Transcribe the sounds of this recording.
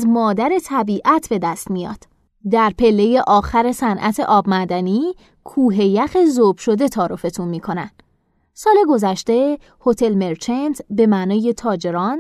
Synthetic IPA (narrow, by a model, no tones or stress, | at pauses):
zmɒːd̪æɾe̞t̪ʰæbiːʔæt̪ʰbe̞d̪æst̪mijɒ̰ːd̪̥ | d̪æɾpʰe̞lːe̞je̞ʔɒːxæɾe̞sænʔæ̰t̪ʰe̞̰ʔɒːbmæd̪æni | kʰuːɦe̞jæxe̞zob̥ʃo̞d̪e̞t̪ʰɒːɾofe̞t̪ʰunmiːkʰo̞nænd̪̥ | sɒːle̞ɡo̞zæʃt̪e̞ | ho̞t̪ʰe̞lme̞ɾt͡ʃʰent̪ʰbe̞mænɒːje̞t̪ʰɒːd͡ʒe̞ɾɒn